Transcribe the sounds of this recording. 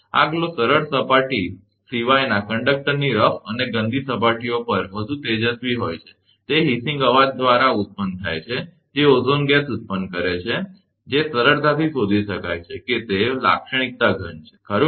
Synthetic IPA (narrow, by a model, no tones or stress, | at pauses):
a̰ɡlosəɾəɾsəpaʈi | siʋajnakəɳɖək̚ʈəɾniɾəfʰəneɡə̃nd̪ʱisəpaʈiopəɾʋəd̪ʱũt̪ed͡ʒət̪ʋiɦojt͡ʃʰe̥ | t̪eɦisĩŋɡəʋad̪̚ːʋaɾaut̪̚pənt̪ʰa̰jt͡ʃʰe | d͡ʒeozonɡɛsut̪̚pənkəɾet͡ʃʰe | d͡ʒesəɾəɾd̪ʱat̪ʰisod̪ʱiʃəka̰jt͡ʃʰeket̪ela̰kʃəɽ̃ik̚t̪aɡʱənt͡ʃʰe̥kʰəɾu